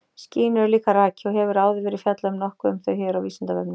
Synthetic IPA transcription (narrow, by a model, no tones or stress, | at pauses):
sciːnʏɾlikaɾaːcɪɔɦɛvʏɾaːwðɪvɛːɾɪfjɛt̪laʏmnɔhkʏʏmθœɥçɛːɾawviːsɪnt̪avɛ̰pnɪ